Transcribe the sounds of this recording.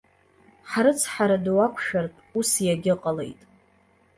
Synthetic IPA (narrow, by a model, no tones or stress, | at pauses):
ħaɾɨt͡sʰħaɾadwakʷʰʃarpʼusjaɡʲɪqʼale̞jtʼ